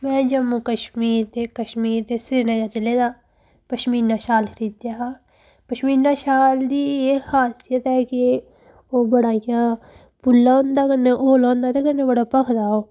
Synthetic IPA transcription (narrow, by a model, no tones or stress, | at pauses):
mɛ̃ːd͡ʒəmːukəʃmiːɾd̪ekəʃmiːɾd̪esened͡ʒaːt͡ʃɐled̪aː | pɐʃmiːɾnaːʃaːlɾiːd̪jaa | pəʃmiːɾnaːʃaːld̪iːehaːsɪjət̪ɦɛːke | oːbɐɽakjaː | pʊlːaõːnd̪aːkənːeʔoːlõːnd̪aːt̪ekənːebəɽapəkʰd̪aːoː